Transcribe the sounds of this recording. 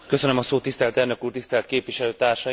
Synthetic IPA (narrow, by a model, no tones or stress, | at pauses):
kø̞sø̞nømɒsoːt̪ːist̪ɛlt̪ɛːrnø̞kuːrt̪ist̪ɛlt̪keːpʋiʃɛløːt̪aːrʃɒ